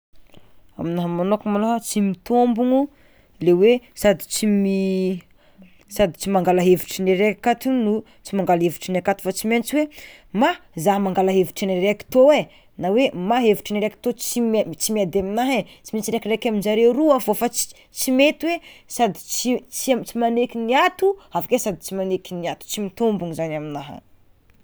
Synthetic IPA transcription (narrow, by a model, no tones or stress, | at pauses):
a̰minaɦamanokumaloɦət͡simit̪ombuŋu | lewesad̪i̥t͡simi | sad̪i̥t͡simaŋɡalaɦeviʈ͡ʂineɾekakat̪unnu | t͡simaŋɡalɦeviʈ͡ʂinakat̪i̥fat͡siment͡siwe | mazaɦmaŋɡalaɦeviʈ͡ʂiniɾeki̥t̪owe | nawemaɦeviʈ͡ʂiniɾeki̥t̪ot͡simt͡simiad̪eminaɦet͡simit͡siɾekirekʲaminzaɾeuɾuavofḁ | t͡simet̪iwesad̪i̥t͡sit͡sit͡simanekiniat̪uavakesad̪it͡simanekiniat̪u̥t͡simit̪ombuŋizanaminaɦa̰